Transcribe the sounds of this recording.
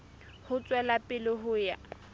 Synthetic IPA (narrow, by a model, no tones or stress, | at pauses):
hʊt͡sʼwɛlapʼɪlɪɦʊja̰